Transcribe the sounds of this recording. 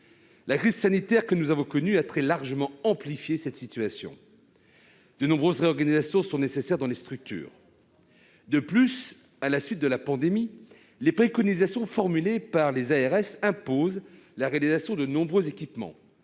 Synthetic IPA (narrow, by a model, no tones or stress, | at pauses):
lakχizsanit̪ɛʁkənuzavɔ̃kɔnyat̪χɛlaʁʒəmɑ̃ɑ̃plifjesɛt̪sit̪ɥasjɔ̰̃ | d̪̥ənɔ̃bʁøzʁeɔʁɡanizasjɔ̃sɔ̃nesesɛʁd̪ɑ̃lest̪χyk̚t̪y̰ːʁ | d̪əplys | alasɥit̪̚d̪əlapɑ̃d̪emi | lepχekɔnizasjɔ̃fɔʁmylepaʁlezaɛʁɛsɛ̃poz | laʁealizasjɔ̃d̪ənɔ̃bʁøzekʲipmɑ̰̃